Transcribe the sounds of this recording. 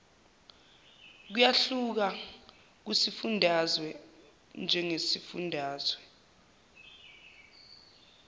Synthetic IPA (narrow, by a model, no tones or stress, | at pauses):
k̬ujaɬuk̬a | k̬wusifundʱazwɛ | nd͡ʒʱɛŋesifṵndʱaːzwɛ